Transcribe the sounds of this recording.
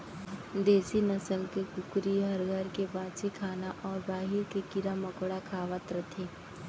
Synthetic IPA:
d̪eːsinɐsəlkekʊkɾiɦɐɾɡəɾkebãːt͡ʃekʰaːnaʔɔːɾbaːɦiɾkekɪɾamɐkɽakʰaːʋət̪ɾət̪ʰeː

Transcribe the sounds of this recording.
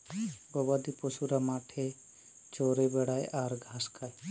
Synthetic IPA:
ɡobad̪iposuɾamaːʈʰe | t͡ʃoːɾebeɽaːjʔaːɾɡʱaːskʰaːj

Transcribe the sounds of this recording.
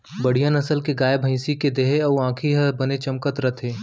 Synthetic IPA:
bəɽ̤ijənɐsəlkeɡaːjbʱə̃ɪ̃siked̪eːɦeɔuãːkʰiɦɐbɐnet͡ʃɐmkət̪ɾɐt̪ʰeː

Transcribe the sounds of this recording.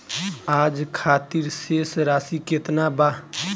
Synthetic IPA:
aːd͡ʒkʰaːt̪iɾseːsɾaːsikeːt̪naba

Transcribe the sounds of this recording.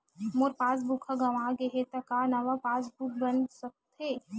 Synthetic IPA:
moɾpaːs̬bukʰaɡɐʋaːɡeɦet̪ɐkanɐʋapaːsbuk̚bɐnsɐk̚t̪ɦeː

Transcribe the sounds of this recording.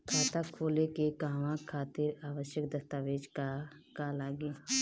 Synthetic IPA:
kʰaːt̪akʰoːlekekaːʋãkʰaːt̪ɪɾaːʋəʃjəkd̪ɐst̪aːʋeːd͡ʒkkalaːɡeː

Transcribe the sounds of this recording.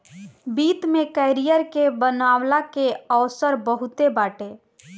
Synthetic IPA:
bit̪mekəjɾijəɾkebənawlakeəʊsəɾbəɦut̪ebaʈe

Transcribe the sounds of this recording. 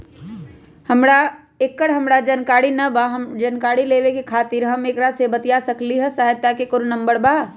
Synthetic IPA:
hɐmɽa | ekːəɽɦɐmɽad͡ʒɐnkaːɽinɐbaɦmd͡ʒɐnkaːɽileːʋekekʰaːt̪iɾɦɐmeːkɾasebɐt̪ijasɐkliɦɛsaːɦət̪ːakekʊɾunɐ̃mbəɾbaː

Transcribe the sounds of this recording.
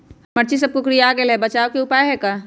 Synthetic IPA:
mɐɾt͡ʃis̬ɐb̚kokɾijaaːɡelɛbɐt͡ʃaːʋkeʊpaːeɦɛka

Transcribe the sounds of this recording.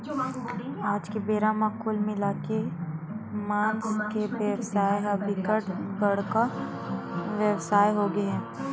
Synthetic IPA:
aːd͡ʒkebeːɾamakʰʊlmɪlaːke | maːnskebewsaːjɦɐbɪkəʈɡəɽka | ʋjəwsaːjɦoɡeɛ̃ː

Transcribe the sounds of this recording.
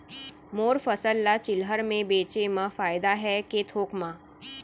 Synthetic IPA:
moːɾfəsəlːat͡ʃɪlɦəɾmẽbeːt͡ʃeməfaːɪd̪aɦɛkeːt̪ʰoːkmãː

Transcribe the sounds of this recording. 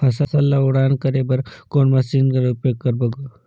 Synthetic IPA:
ɐsasɐlːaoɽaːnkɐɾebɐɾkoːnmɐsiːnkɐɾʊpjoːɡ̚kɐɾbɐɡu

